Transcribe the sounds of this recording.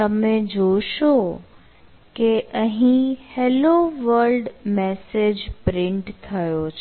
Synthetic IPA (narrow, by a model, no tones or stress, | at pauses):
əmed͡ʒoʃo | keʔəɦĩheloʋəɾlɖmɛsed͡ʒpɾɪ̃ɳʈt̪ʰːəjot͡ʃʰ